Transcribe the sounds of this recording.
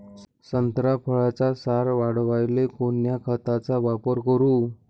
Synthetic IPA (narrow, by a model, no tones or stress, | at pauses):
sənt̪ɾapʰəɭat͡sasaɾʋaɽʋajlekonjakʰət̪at͡saʋapəɾkəɾuː